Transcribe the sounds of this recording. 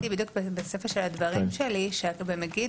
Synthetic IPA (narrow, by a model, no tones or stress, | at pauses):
ibid̪jukbebesefeʃelad̪vaʁimʃeliʃeabemeɡi